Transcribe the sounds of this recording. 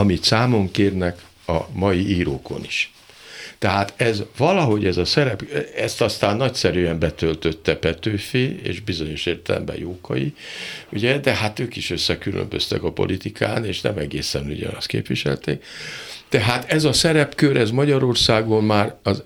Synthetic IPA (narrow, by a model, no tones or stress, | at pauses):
ɒmit̪saːmo̞ŋkeːrnɛk | ɒmɒjiiːɾoːko̞̰niʃ | t̪ɛɦaːt̪ɛzvɒlɒɦo̞ɟɛzɒsɛɾɛpɛst̪ɒst̪aːnːɒcsɛɾyɛmbɛt̪ølt̪ø̞t̪ːɛpɛt̪øːfiːḛːʒbizo̞ɲo̞ʃeːrt̪ɛlɛ̰mbɛ̰joːkɒ̰jḭuɟɛd̪ɛhat̪øːkiʃø̞sːɛkylø̰mbø̞̰st̪ɛ̰kɒpo̞̰lʔit̪ikʰa̰ːneːʃnɛ̰mɛɡeːsɛnṵɟɒ̰nɒst̪kḛːpʋiʃɛ̰lt̪ḛːk̚t̪ɛɦaːt̪ɛzɒsɛɾɛpkøɾʔɛzmɒɟɒɾo̞rsaːɡo̞mmaːrɒz